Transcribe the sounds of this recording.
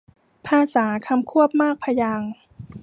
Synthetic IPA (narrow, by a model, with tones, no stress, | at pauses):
pʰaː˧˩saː˩˦kʰa˧mkʰu˥˩əp̚maː˥˩k̚pʰa˧jaː˧ŋ